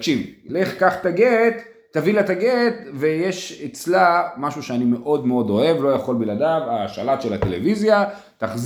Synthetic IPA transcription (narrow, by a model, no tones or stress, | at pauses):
kʃivleχkaχt̪aɡet̪ː | avilaet̪aɡet̪vejeʃet͡slamaʃuʃeanime̞ʔo̞dmeo̞do̞e̞vlo̞jaχo̞lbiladavaʃa̰lat̪ʃelatelḛvizja | t̪aχz